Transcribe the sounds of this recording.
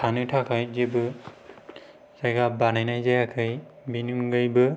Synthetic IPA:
tʰanɯtʰakʰajzebɯ | zajɡabanajnajzajakʰɯj | binɯŋɡɯjbɯ

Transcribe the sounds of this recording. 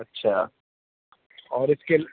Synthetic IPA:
ɐtːʃʰa̰ː | ɔːɾɪske

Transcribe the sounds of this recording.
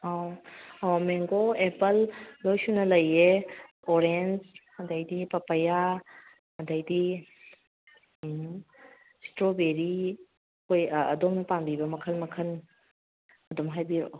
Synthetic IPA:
awawmeŋɡoepɐlːojsunɐlɐje | oɾend͡ʒ | ɐdajdipɐpɐja | ɐdajdi | stɾobeɾi | kʰojɐ̰dɔmnɐpambibɐmɐkʰɐlmɐkʰɐn | ɐdomɦajbiɾo̰

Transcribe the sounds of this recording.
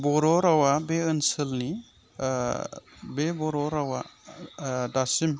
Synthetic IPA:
bɔɾɔɾawabeɯnsɯlni | bebɔɾɔɾawa̰ | dasim

